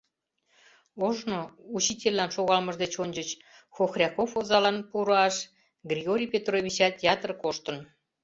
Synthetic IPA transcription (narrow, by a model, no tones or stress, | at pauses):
oʒnout͡ɕitʲelʲːɑnʃoɣɑlməʒd̪et͡ɕonʲd͡ʑət͡ɕ | xoxrʲɑkofozɑlɑnpuɾoɑʃ | ɡrʲiɣoɾʲijpʲet̪roβʲit͡ɕɑt̪jɑt̪ərkoʃt̪ən